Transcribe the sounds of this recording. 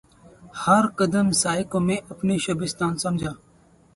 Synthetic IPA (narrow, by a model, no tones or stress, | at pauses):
həɾkəd̪əmsaːɪkõːmẽːʔəpneːʃəbɪst̪aːnsəmd͡ʒʱaː